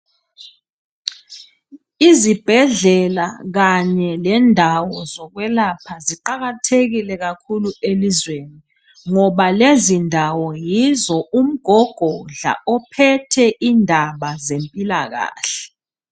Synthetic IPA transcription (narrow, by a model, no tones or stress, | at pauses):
izib̥ʱɛɮɛla̰ɣ̬aɲɛlɛndʱawɔzɔk̬wɛlapʰaziǃaɣ̬atʰek̬ilɛk̬akʰuluelizweni | ŋɔɓalezindʱawɔjizɔum̩ɡ̥ʱɔɡ̥ʱɔɮa̰ʔɔpʰɛtʰɛʔindʱaɓazempʼilak̬a̰ːɬɛ̥